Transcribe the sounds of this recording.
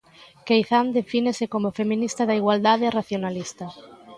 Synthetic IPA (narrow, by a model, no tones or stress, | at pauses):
kejθand̪efinesekomofemĩnist̪aðaiɣwald̪aðeraθjonalist̪ɐ